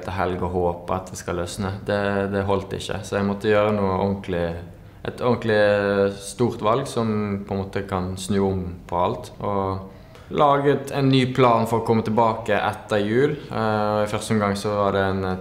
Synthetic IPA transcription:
t̪ʰəɦɛlɡəɔɦoːpəɑt̪̚d̪ɛskɑløsnəd̪ɛd̪ɛɦɔlt̪ɪ̰çːə̰sɔjæɡmɔt̪ːəjøːʁənuːəʔɔŋklɪ | ʔɛt̪ɔŋklɪst̪uːʁt̪ʋɑlɡsɔmpʰɔɛnmoːt̪əkʰɑnsnʉːʊmpʰɔɑlt̪ɔ | lɑːɡət̪æɪnːyːpʰlɑːnfɔʁɔkʰɔmːət̪ɛlbɑːkəʔɛ̰t̪ːəʁjʉːlɔɪfœʁst̪əɔnɡɑŋːsɔʋɑd̪ɛn

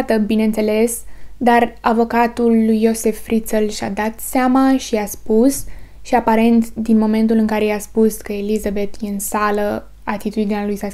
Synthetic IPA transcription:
t̪əbinent̪se̞le̞sd̪aravo̞kat̪ulːujːo̞se̞fːɾit̪səlʃa̰d̪at̪seamaʃiaspusʃiapaɾe̞nt̪d̪inmo̞me̞nt̪ulɨŋkaɾe̞jaspuskəelizabe̞t̪jeɨnsalə | at̪it̪ud̪inealujsa

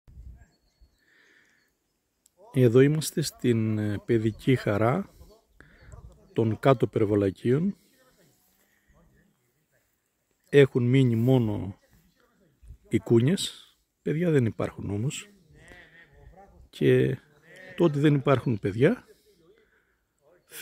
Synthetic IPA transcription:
e̞ðo̞imɐst̪e̞st̪inpe̞ðicʰixɐɾɐ | t̪o̞ŋkɐt̪o̞peɾvolɐcʰio̞n | e̞xunmiɲimo̞no̞̰ | ikuɲe̞s | pe̞ðʝɐðe̞nipɐ̰ɾxuno̞mo̞s | cʰe̞ | t̪ot̪̬iðe̞nipɐɾxunpe̞ðʝɐ

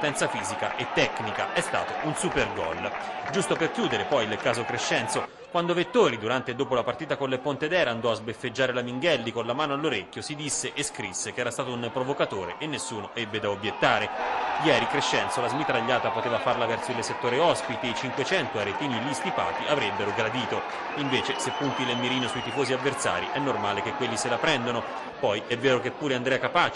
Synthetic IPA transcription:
ot̪ɛnt̪safiːzikaʔet̪ːɛknika̰ʔɛst̪a̰ːt̪oʔunsuperɡɔ̰ld͡ʒust̪operkjuːd̪eɾepɔjlkaːzokɾeʃːɛnt̪so | kwand̪ovet̪ːoːɾid̪uɾant̪ed̪oːpolapart̪iːt̪akonlepont̪ed̪ɛːɾaːnd̪ɔazbefːed͡ʒːaːɾelamiŋɡɛlːikonlamaːnoalːoɾekʲːjosid̪isːeʔeskɾisːekeɛːɾast̪aːt̪ounpɾovokat̪oːɾḛʔenːesːuːnoʔɛbːed̪aobjet̪ːaːɾejɛːɾikɾeʃːɛnt̪solazmit̪ɾaʎːaːt̪apot̪eːvafarlavɛrsoileset̪ːoːɾeɔspit̪eit͡ʃiŋkwet͡ʃɛnt̪oaɾet̪iːnilist̪ipa̰ːt̪iʔavɾebːeɾoɡɾad̪iːt̪o | iɱveːt͡ʃesepːunt̪ilemːiɾiːnosujt̪ifoːziavːert̪sa̰ːɾḭʔɛnːormaːlekekːwelːiselapɾɛnd̪ono | pɔjɛvːeːɾokepːuːɾeand̪ɾɛakapaːt͡ʃ

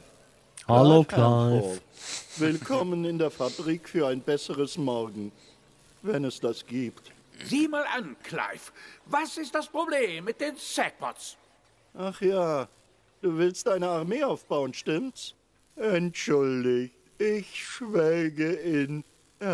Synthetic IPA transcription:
halokʰlaɪɔf | vɪlkʰɔmənɪndeːɐfabʁiːkfyːɐaɪnbɛsəʁəsmɔʁɡŋ̩ | vɛnɛsd̥asɡ̥iːpt | ziːmaːlʔankʰla̰ɪfvasɪst̚d̥aspʁ̥obleːmːɪt̚d̥eːnsɛk̚pɔs | ʔaχjaː | d̥uːvɪlst̚d̥aɪnəaʁmeːaʊfb̥aʊənʃtɪmt | ɛntʃʊldɪç | ɪçʃv̥ɛːɡəɪn

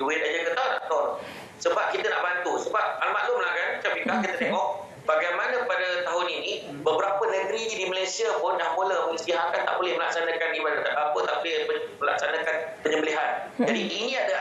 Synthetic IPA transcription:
uɪt̪̚ad͡ʒəŋkət̪adaʔ̚t̪ɔr | səbap̚kit̪əna̰ʔbant̪usəbap̚almaʔlʊʔməlakanat͡ʃampikahkit̪ət̪ɛŋɔʔ̚ | b̥aɡajmanə̃padət̪aɦʊnini | bəbəɾapənə̃ɡəɾiɲidimalajsiapʊndahmuləhməistiɦakant̪a̰ʔbolɛhməlak̚sanakandipadat̪aʔɡapət̪a̰ʔbolɛpəməla̰k̚sanãkanpəɲəmbəliɦand͡ʒadiʔinĩada

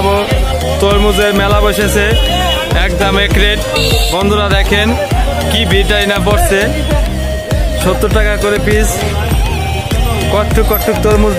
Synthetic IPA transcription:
bo | t̪oɾmud͡ʑeɾmɛlaboʃet͡ɕʰe | ɛkdamekɾeʈ | bɔnd̪ʱoɾad̪ɛkʰen | kibiʈainapoɾsʰe | ʃot̪ːoɾʈakakoɾepis | kɔʈʰːukːɔʈʰːuk̚t̪oɾmuz

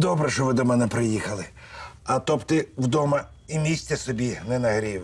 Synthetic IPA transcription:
d̪ɔbɾɛʃɔʋɪd̪ɔmɛnɛpɾɪjixɐlˠɪ | ɐt̪ɔpt̪ɪwd̪ɔmɐ | imʲisʲt̪ʲɛsɔbʲinɛnɐɦɾʲiw

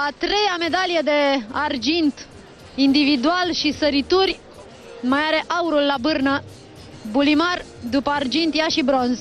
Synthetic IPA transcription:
at̪ɾe̞jame̞d̪alijed̪e̞ard͡ʒint̪ | ind̪ivid̪ualʃisəɾit̪urʲ | majaɾe̞ʔauɾulːabɨrnə | bulimar | d̪upəard͡ʒint̪jaʃibɾo̞nz

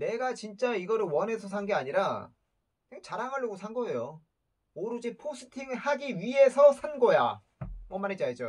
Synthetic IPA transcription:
ne̞ɡat͡ɕint͡ɕ͈aiɡʌɾɯɭwʌne̞sʰʌs̬ʰanɡeaɲiɾa | neɡt͡ɕaɾaŋɦaɭːʌɡosʰaŋɡʌejo | oɾɯd͡ʑipʰos͈ʰɯ̥tʰiŋhaɡiɥiɦe̞sʰʌsʰanɡʌja̰ | mwʌmːaned͡ʑaid͡ʑo

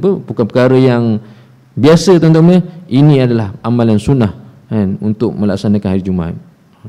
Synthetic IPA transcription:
pəbukanpəkaɾəjaŋ | biasət̪ɔnt̪̬ɔŋɲəʔinĩadalahamalansunah | anṵnt̪ʊk̚mə̃la̰k̚sanakanhaɾid͡ʒuma̰

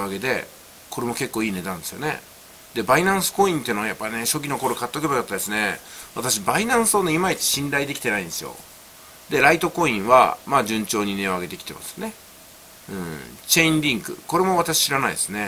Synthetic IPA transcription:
aɡe̞d̪e̞̰ | ko̞ɾemo̞ke̞kːoːiːne̞d̪ãnd̪e̞sɨjo̞ne̞̰ | d̪e̞bainãɰ̃sɨ̥ko̞ĩnt̪eɯ̟noajapːaine̞ɕo̞k̬ʲino̞koɾokat̪ːokebaɡat̪ːad̪e̞sɨne̞βat̪aɕ̬ibainãɰ̃sɨoneimait͡si̥ɕĩnd̪aid̪e̞kʲi̥t̪e̞naĩnd̪e̞sɨjo̞̰ | d̪e̞ɾait̪o̞ko̞ĩɰ̃βa̰maːd͡ʑɨ̃ɲt͡ɕo̞ːɲ̟ine̞oaɡe̞t̪e̞kʲi̥t̪e̞ma̰sɨ̥ne̞ | ɯ̰̃t͡ɕe̞ĩnɾʲĩŋkɯ̟̰ko̞ɾe̞mo̞βat̪aɕi̥ɕiɾanaḭd̪esɨne̞

